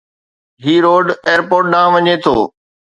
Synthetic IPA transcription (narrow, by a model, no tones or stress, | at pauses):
ɦiːɾoːɖeːəɾpoːɾʈ̚ɗãːʋɐɲet̪ʰo̰ː